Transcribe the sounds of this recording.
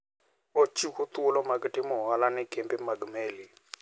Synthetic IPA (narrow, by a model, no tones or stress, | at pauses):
ot͡ʃʰikut̪ulɔmaɡitʼimʊɦalanɛɡɛmbɛmaɡmeːli